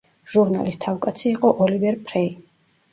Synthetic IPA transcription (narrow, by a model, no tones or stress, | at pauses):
ʒ̥uɾna̰list̪ʰafkʼat̪sʰiːqʼɔʔɔlivɛɾpʰʼɾɛi